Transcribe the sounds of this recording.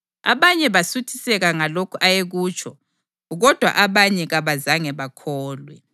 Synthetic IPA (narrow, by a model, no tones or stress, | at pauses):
a̰βaɲɛβasutʰi̥sɛɣaŋalokʰuʔajeɣuːt͡ʃʼʰɔ | ɣɔd̥ʱwa̰ʔaβaɲɛɣaβazaŋɛβakʰɔːlwɛ̰